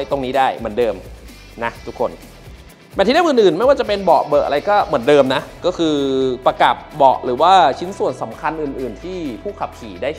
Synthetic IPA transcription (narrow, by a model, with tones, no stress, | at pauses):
jt̪o˧ŋniː˦˥daː˥˩jmɯ˩˦əndɤː˧m | na˦˥t̪ʰu˨˩kʰːo˧n | mɛ˧˩t̪ʰiː˥˩da˥˩˨ʔɯː˨˩nʔɯː˨˩nma˥˩jwaː˥˩t͡ɕa˨˩pe˧nbɔː˨˩ʔbɤː˨˩k̚a̰˧a˧jkɔː˥˩mɯ˩˦əndɤː˧mna˦˥kɔː˥˩kʰɯː˧pa˧ka˨˩p̚bɔː˨˩ʔ̚ɾɯː˩˦waː˥˩t͡ɕʰi˦˥nsu˨˩ənsa˩˦mkʰa˧nʔɯː˨˩nʔɯː˨˩nt̪ʰiː˥˩pʰuː˥˩kʰa˨˩p̚kʰiː˨˩˦daː˥˩